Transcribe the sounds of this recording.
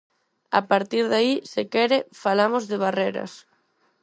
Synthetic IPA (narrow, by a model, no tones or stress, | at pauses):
a̰paɾt̪iɾðaisekɛɾɪfalamozðɪβareɾɐ̰s